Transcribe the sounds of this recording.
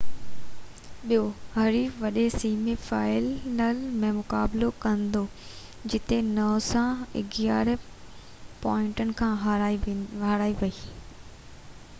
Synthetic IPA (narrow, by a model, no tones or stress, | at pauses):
ɓijoɦɐɾiʋɐɗesiːmifaːɪlnəlmẽmʊkaːblokɐ̃nd̪o | d͡ʑɪt̪enɐːsãɪ̰ɡjaːɾ | pɔːɪ̃ɳʈənɪ̆kʰãːɦ | ɦaɾaːiʋɐiː